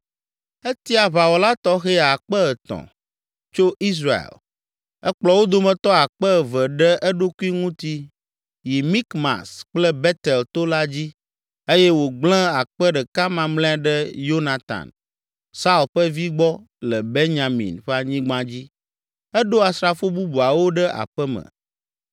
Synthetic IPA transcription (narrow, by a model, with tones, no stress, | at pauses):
e˦t̪i˦a˨βa˨wo˨la˦t̪ɔ˦xɛ˦a˨k͡pɛ˦ɛ˨t̪ɔ̰̃˨ | t͡ʃo˦i˦s̬ɾa˨ḛ˨l | ɛ˦k͡plɔ˨˦wo˦d̪o˦mɛ̃˨t̪ɔ˦a˨k͡pɛ˦˨vɛ˨ɖɛ˦ʔɛ˦ɖo˦ku˦i˦ŋũ˦t̪i˦ | ji˨mi˦kma̰˨sk͡plɛ˦bɛ˦t̪ɛ˨lt̪o˦la˦d͡ʑi˦ | e˦jɛ˦wo˨ɡ͡bl̃ɛ̃˦a˨k͡pɛ˦ɖɛ˨ka˦mã˨mlɛ̃˦a˨ɖɛ˦jo˦na˨t̪a̰˨n | sa˦u˨lɸə˦vi˦ɡ͡bɔ˦ | lɛ˨be˦nɲã˨mḭ̃˨nɸɛ˦a˨ɲĩ˦ɡ͡bã˦d͡ʑi˦ | ɛ˦ɖo˦a˨sɾa˨fo˦bu˦bu˨a˨wo˦ɖɛ˦ʔa̰˨ɸɛ˦mə̰̃˨